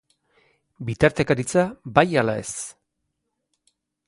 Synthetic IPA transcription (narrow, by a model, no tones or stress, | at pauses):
bit̪aɾt̪ekaɾit͡sabajalae̞s